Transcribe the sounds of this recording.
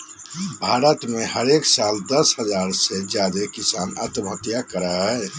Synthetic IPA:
bʱaɾət̪meɦəɾeksald̪əsɦəd͡ʒaɾsed͡ʒad̪ekisanə̰t̪mʱət̪jakəɾəɦɛ

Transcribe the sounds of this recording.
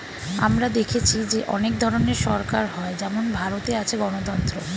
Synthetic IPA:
a̰mɾad̪ekʰet͡ɕʰid͡ʑeʔɔnek̚d̪ʱɔɾoneɾʃɔɾkaɾɦɔed͡ʑɛmonbʱaɾot̪eat͡ɕʰeɡɔnot̪ɔnt̪ɾo

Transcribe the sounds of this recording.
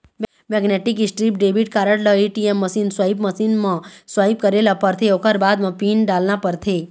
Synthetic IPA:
m | mɛːɡneːʈɪkɪsʈɾiːp̚ɖeːbiʈ̚kaːɾəɽləiʈiɛmːɐsiːnswaːibməsiːnmãswaːɪb̚kəɾelapəɾt̪ʰeokəɾbaːd̪mɐ̃piːnɖaːlnapəɾt̪ʰeː

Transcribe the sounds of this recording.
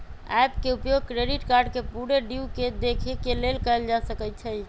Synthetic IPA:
ɛjpkeupjoɡ̚kɾeɖiʈkaɾɖkepuɽeɖiked̪ekʰekelelkəeld͡ʒasəkɛt͡ʃʰəj

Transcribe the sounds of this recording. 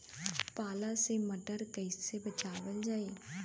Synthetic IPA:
paːlaseməɖəɾkəɪsebət͡ʃaːʋəld͡ʒaːeː

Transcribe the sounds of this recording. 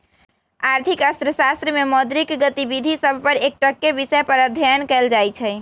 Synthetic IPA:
aɾt̪ʰikəst̪ɾəsast̪ɾəmemɔd̪ɾikɡət̪ibid̪ʱisəbʱpəɾek̚ʈəkːebisəjpəɾəd̪ʱəənkɛld͡ʒajt͡ʃʰɛ

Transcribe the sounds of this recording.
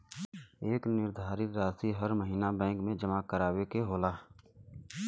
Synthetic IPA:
eːknɪɾd̪ʱaːɾɪt̪ɾaːsiɦəɾməɦiːnabɛ̃ːŋkmẽd͡ʒəmakəɾaːwekeɦoːlaː

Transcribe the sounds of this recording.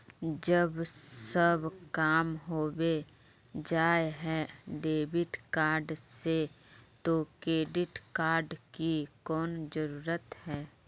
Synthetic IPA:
d͡ʒəbsəbkaːmɦoːwe | d͡ʒaːeɦɛːɖeːbɪʈkaːɾɖse | t̪okɾeːɖɪʈkaːɾɖkikɔːnd͡ʒəɾuːɾət̪hɛː

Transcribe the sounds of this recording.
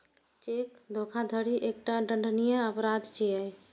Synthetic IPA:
t͡ʃek̚d̪ʱokʰad̪ʱəɽiʔek̚ʈaɖəɳɖʱnijəəpɾad̪ʱt͡ʃiəj

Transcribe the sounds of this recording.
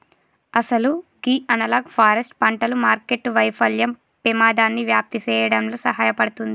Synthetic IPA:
ɐsɐluɡiːʔɐnɐlaːɡpʰaːɾɐsʈpɐɳʈɐlumaːɾkeʈːʋɐjpʰɐljɐm | pimaːd̪aːnːiʋjaːp̚t̪it͡ʃɛːjɐɽɐmloːsɐɦaːjɐpɐɽut̪und̪i

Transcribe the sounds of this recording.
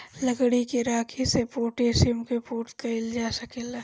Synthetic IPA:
lɐɡɽikiɾaːkʰisepoːʈeːʃɪmkepuːɾʈ̪kɐɪld͡ʒaːsɐkɪl

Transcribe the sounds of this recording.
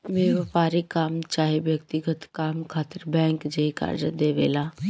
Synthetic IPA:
ʋeːʋpaːɾikaːmt͡ʃaːɦeʋjɐkt̪ɪɡət̪kaːmkʰaːt̪əɾbɛ̃ːŋkd͡ʒeka̰ːɾd͡ʒəd̪eːʋḛːlaː

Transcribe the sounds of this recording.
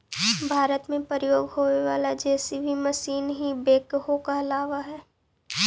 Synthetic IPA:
bʱaːɾət̪mẽpəɾɪjoːɡɦoeʋaːlad͡ʒɛːsibʱimɐsiːnɦibeːkɦokaɐlaːʋaɦɛː

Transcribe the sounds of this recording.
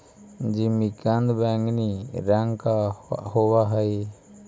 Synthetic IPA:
d͡ʒimikand̪baŋniɾaŋka̰ʔhɔwaɦaj

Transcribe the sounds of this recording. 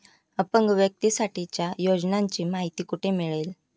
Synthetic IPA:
əpəŋɡʋjək̚t̪isaʈʰit͡ɕjajod͡ʑnaɲt͡ɕiːmaɦit̪iːkuʈʰemiɭel

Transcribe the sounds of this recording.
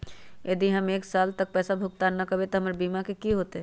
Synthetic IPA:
jɐd̪iɦɐmeːksaːlt̪ək̚pɛːsabʱʊɡ̚t̪anːɐkɐbet̪oɦɐmɾbiːmakekiɦoːt̪eɦɛ

